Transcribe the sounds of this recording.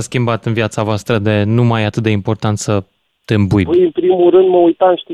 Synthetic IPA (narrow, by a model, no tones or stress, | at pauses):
skʲimbat̪ɨnvjat̪savoast̪ɾəd̪e̞numajat̪ɨt̪̚d̪e̞impo̞rt̪ant̪sə | t̪embujpɨjɨnpɾimuɾɨnd̪məujt̪amʃt̪i